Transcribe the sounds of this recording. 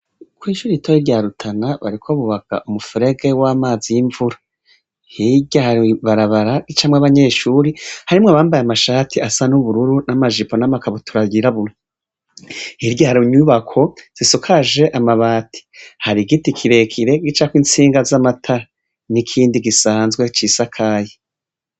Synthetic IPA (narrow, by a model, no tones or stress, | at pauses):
kwiːʃuɾitʰojiɾɟaːɾutʰanaβa̰ɾikʰo̞βuβaɡ̥a̰ʔumufiɾe̞ɡe̞wamaːzijiɱvuɾa | hiɟahaɾiβaɾaβaɾaɡit͡ʃamŋaβaɲe̞ːʃuɾihaɾimŋaβaːmbajamaʃaːtʰiasanuβuɾuɾunamaʒiponamakaβotʰuɾaɟiɾaβuɾo | hiɾɟahaɾuɲuβakʰo̞z̥isukʰaʒe̞ʔamaβaːtʰi̥haɾiɡitikʰiɾe̞kʰiɾe̞ɡit͡ʃakwint͡siːŋɡazamatʰa | nikʰiːndiɡisaːnzɡwe̞t͡ʃisakʰaːje